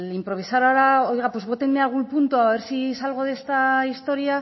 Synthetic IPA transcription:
limpɾo̞β̞isaɾaɾao̞jɣapwo̞zβo̞t̪enmealɣ̞ulpunt̪uaβe̞ɾsisalɣ̞o̞ð̞e̞st̪aist̪o̞ɾia

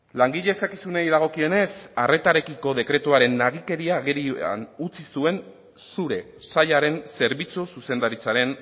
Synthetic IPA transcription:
laŋɡiʎe̞ːskakisunejðaɣ̞o̞kio̞ne̞sare̞t̪aɾe̞kiko̞ðe̞kɾe̞t̪uaɾe̞nːaɣ̞ike̞ɾiaɣeɾia̰nut͡sisue̞n | suɾe̞ | saʎaɾe̞nse̞ɾβit͡sususe̞nd̪aɾit͡saɾe̞n

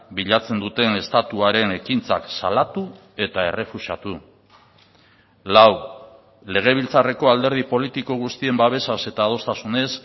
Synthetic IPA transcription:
biʎat͡se̞nd̪ut̪e̞ne̞st̪at̪uaɾe̞ne̞kint͡sa̰ksalat̪u | e̞t̪ae̞̰re̞fuʃat̪u | law | le̞ɣ̞e̞β̞ilt͡sare̞ko̞ald̪e̞ɾð̞ipo̞lit̪iko̞ɣ̞ust̪ie̞mbaβ̞e̞sase̞t̪aːð̞o̞st̪asune̞s

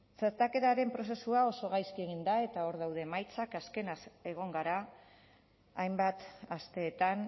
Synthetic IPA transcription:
t͡saɾt̪ake̞t̪aɾe̞mpɾo̞se̞suao̞so̞ɣ̞ajskie̞ɣ̞ind̪ae̞t̪ao̞ɾðawðe̞majt͡sakaske̞nase̞ɣ̞o̞ŋɡaɾa | jmbat̪ast̪e̞ːt̪an

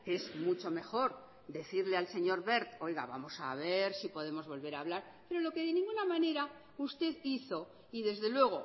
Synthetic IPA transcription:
ezmut͡ʃo̞me̞xo̞ɾ | d̪e̞θiɾle̞alse̞ɲo̞ɾβe̞ɾt̪o̞jɣa̰βa̰mo̞sa̰βe̞ɾsipo̞ð̞e̞mo̞zβo̞lβe̞ɾaːβ̞laɾ | pe̞ɾo̞lo̞ke̞ðe̞nĩŋɡunamãne̞ɾa | ust̪e̞ðiθo̞ | iðe̞zðe̞lwe̞ɣ̞o̞

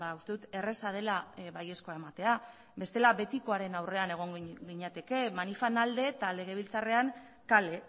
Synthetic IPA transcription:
baust̪e̞ðut̪e̞re̞sað̞e̞laβaje̞sko̞aemat̪e̞a | be̞st̪e̞laβe̞t̪iko̞aɾe̞nawre̞ane̞ɣ̞o̞ŋɡiɲat̪e̞ke̞manifanald̪e̞t̪ale̞ɣ̞e̞β̞ilt͡sare̞aŋ | kale̞

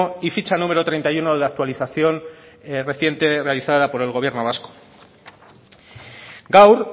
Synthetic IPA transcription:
oifit͡ʃanumeɾo̞t̪ɾe̞jnt̪ajuno̞ðeak̚t̪waliθaθjo̞nre̞θje̞nt̪e̞re̞aliθaðapo̞ɾe̞lɣo̞βje̞ɾno̞β̞asko̥ | ɡawɾ

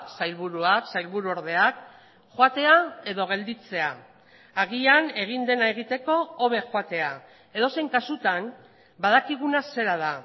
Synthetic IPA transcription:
sajlβuɾuaksajlβuɾuo̞ɾð̞e̞ak | xoat̪e̞ae̞ðo̞ɣ̞e̞ld̪it͡se̞aː | ɣiane̞ɣ̞ind̪e̞nae̞ɣ̞it̪e̞ko̞oβe̞xoat̪e̞a | e̞ð̞o̞se̞jŋkasut̪an | bað̞akiɣunase̞ɾað̞a

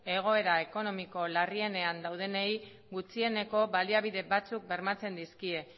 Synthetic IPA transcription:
e̞ɣ̞o̞e̞ɾae̞ko̞no̞miko̞larie̞ne̞and̪awð̞e̞nej | ɡut͡sie̞ne̞ko̞βaliaβ̞iðe̞βat͡suk̚be̞ɾmat͡se̞nd̪iskie̞

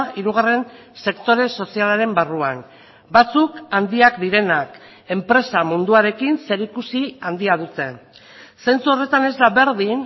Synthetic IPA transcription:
iɾuɣ̞are̞n | se̞kt̪o̞ɾe̞so̞sialaɾe̞mbaruan | bat͡sukand̪iakd̪iɾe̞nak | e̞mpɾe̞samund̪uaɾe̞kinse̞ɾikusiand̪iað̞ut̪e̞ | se̞nt͡suo̞re̞t̪ane̞zd̪aβe̞ɾðin

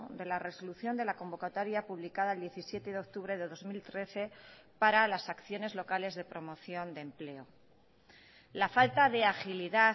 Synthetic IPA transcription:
d̪e̞lare̞so̞luθjo̞nd̪e̞lako̞mbo̞kat̪oɾjapuβlikaðaeld̪je̞θisje̞t̪eðeo̞k̚t̪uβ̞ɾeðe̞ðo̞zmilt̪ɾe̞θe̞ | paɾalasakθjo̞ne̞zlo̞kale̞zðe̞pɾo̞mo̞θjo̞nd̪emple̞o | lafalt̪aðe̞axiliða

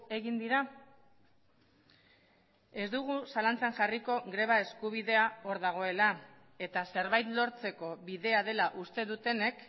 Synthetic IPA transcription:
e̞ɣind̪iɾa | e̞zd̪uɣusalant͡sanʝariko̞ɣɾe̞β̞ae̞skuβ̞iðe̞ao̞ɾðaɣ̞o̞e̞la | e̞t̪ase̞ɾβajt̪lo̞ɾt͡se̞ko̞βiðe̞aðe̞laʔust̪e̞ðut̪e̞ne̞k

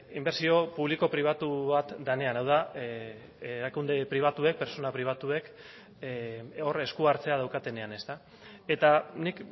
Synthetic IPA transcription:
imbe̞ɾsio̞puβliko̞pɾiβ̞at̪uβat̪d̪ane̞anawða | eɾakund̪e̞pɾiβ̞at̪ue̞k̚pe̞ɾso̞napɾiβ̞at̪ue̞k | o̞ɾe̞skuaɾt͡se̞að̞awkat̪e̞ne̞ane̞st̪a | e̞t̪anik

